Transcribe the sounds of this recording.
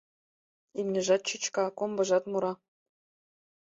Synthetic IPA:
imʲnʲɘ̆ʒɑt̪̚t͡ɕyt͡ɕkɑkombɤ̆ʒɑt̪muɾɑ

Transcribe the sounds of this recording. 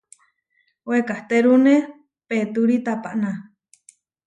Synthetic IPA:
wekaht̪eɾune | pet̪uɾit̪apaʔna

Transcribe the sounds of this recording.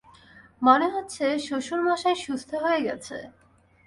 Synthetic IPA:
moneɦotːɕʰeʃoʃuɾmaʃaeʃust̪ʰoɦoeɡɛ̰t͡ɕʰḛ

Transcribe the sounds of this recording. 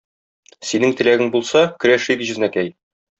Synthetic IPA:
sinɘŋt̪ɘ̆læɡɘŋbulˠsɑkɵ̆ɾæʃikʑɵ̆znækæj

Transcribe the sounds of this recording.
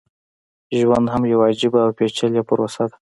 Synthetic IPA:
ʒwand̪ɦamjawad͡ʒɪbaːwpet͡ʃaljapəɾosad̪ḁ

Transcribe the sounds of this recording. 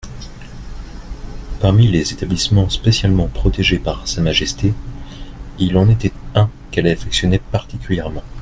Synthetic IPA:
paʁmilezet̪ablismɑ̃spesjalmɑ̃pχɔt̪eʒepaʁsamaʒɛst̪e | ilɑ̃net̪ɛt̪ɛ̃ | kɛlafɛksjɔnɛpaʁt̪ikʲyljɛʁmɑ̃

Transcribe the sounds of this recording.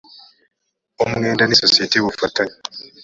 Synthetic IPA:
omuŋeːndanisosieteβufataɲi

